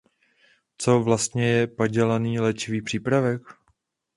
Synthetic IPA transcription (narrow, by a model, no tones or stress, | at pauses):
t͡so̞vlast̪ɲɛjɛpaɟɛlaniːlɛt͡ʃɪviːpr̝̥iːpɾavɛk